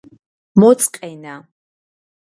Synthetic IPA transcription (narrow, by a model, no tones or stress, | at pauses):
mot͡sʼqʼejna